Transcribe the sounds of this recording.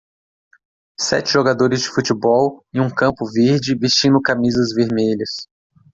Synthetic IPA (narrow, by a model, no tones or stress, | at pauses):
sɛ̰t͡ʃɪʒoɡad̪oɾɪzd͡ʒɪfut͡ʃɪbɔwɪũkɐ̃pʊveɾd͡ʒɪvist͡ʃĩnd̪ʊkamizɐzveɾmeʎɐs